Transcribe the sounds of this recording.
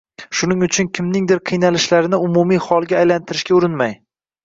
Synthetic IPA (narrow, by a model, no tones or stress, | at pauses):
ʃʊnɪŋʊt͡ʃʰʊnkʲʰɪmnɪŋd̪ɪɾqʰɨjnalɪʃlaɾɪnɪʊmumijhɒlˠɡʲaːjlant̪ʰɪɾɪʃkʲaʊɾɪnmaj